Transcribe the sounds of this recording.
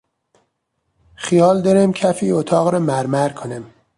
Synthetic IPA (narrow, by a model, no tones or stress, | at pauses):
xijɒːld̪ɒɾemcʰæfiːot̪ʰɒːɣɾɒmæɾmæɾkʰonem